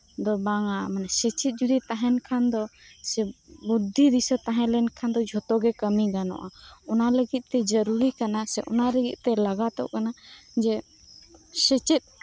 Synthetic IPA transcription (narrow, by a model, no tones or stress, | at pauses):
d̪ɔbaŋamanasɛt͡ʃit̪̚ˀd͡ʒud̪it̪aɦɛnkʰand̪ɔsɛbud̪ʱːiɾisɔt̪aɦɛ̃lɛnkʰand̪ɔd͡ʒʱɔt̪ɔɡɛkəmiɡanɔ̰ʔaɔnaləɡit̪̚t̪ɛd͡ʒəɾuɾikanasɛ̰ʔɔnaləɡit̪̚ˀt̪ɛlaɡat̪ɔ̰ʔkanad͡ʒɛ | sɛt͡ʃit̪̚ˀ